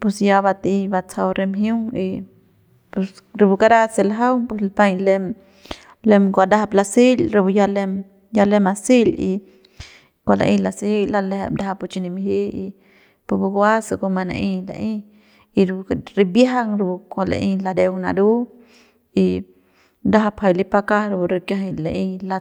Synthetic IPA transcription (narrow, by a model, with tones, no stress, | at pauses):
pu˧sja˧ba˧t̪i˧ba˧t͡sʰa˧wɾe˧mɦju˦ŋi˧ | pu˧s | ɾu˧bu˧ka˦ɾa˦selaɦa˦wpuslpa˧jle | le˧mkʷad̪a˧ɦa˧pla˧si˦lɾu˧bu˧ja˧lem | ja˧le˧ma˧si˦lḭ˧ | kʷa˨la̰˨ʔi˧la˨sihi˦lalehebd̪a˦ɦa˧put͡ʃi˧ni˧miɦi˦i˧ | pu˧bu˧ɡwa˦sa˧ko˧ma˧na̰˧ʔi˧la̰ʔi | iɾɾi˧bjaɦa˦ŋɾu˧bu˧kʷala̰˨ʔi˧la˧d̪e˧wna̰˧d̪u˦ | i | d̪aɦapha˧jlipaka˦ɾu˧bu˧ɾi˧kjaɦilaʔila